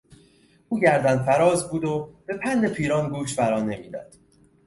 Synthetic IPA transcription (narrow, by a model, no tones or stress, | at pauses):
ʔuːɟæɾd̪ænfæɾɒːzbuːd̪ob̥e̞pʰænd̪e̞pʰiːɾɒːnɡuːʃfæɾɒːne̞miːd̪æ̰d̪̥